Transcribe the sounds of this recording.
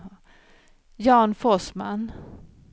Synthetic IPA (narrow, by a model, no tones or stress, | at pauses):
jɑːnfɔsma̰n